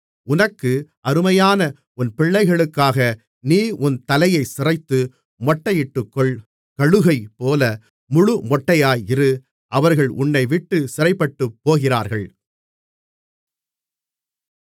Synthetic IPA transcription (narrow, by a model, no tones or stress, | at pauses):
ʊnɐkːɯʔɐɾɯmɐjaːnɐ | ʊnpɪɭːɐɪɣɐɭɯkːaːɣɐ | niːʔʊnt̪ɐlɐjɐɪsɪrɐɪt̪ːɯ | mɔʈːɐjɪʈːɯkːɔɭ | kɐɻɯɣɐɪpːoːlɐ | mʊɻʊmɔʈːɐjaːjɪrɯ | ʔɐʋɐɾɣɐɭʔʊnːɐɪʋɪʈːɯsɪrɐɪpːɐʈːɯpːoːɣɪra̰ːɾɣɐɭ